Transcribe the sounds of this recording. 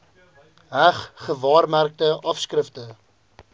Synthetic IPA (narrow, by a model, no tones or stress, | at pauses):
ɦæχχəvɑːrmærk̚təʔɐfskrəftə